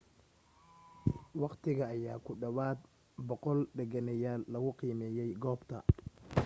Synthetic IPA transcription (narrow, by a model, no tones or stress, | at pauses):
wɑqt̪ʰɪɣɐːjaːkʰʊɖɐwaːd̪ | bɔqɔlɖɛɣɐnɐjaːlːɐɣʊqiːmɛːjɛjɡɔːbt̪ʰɐ̰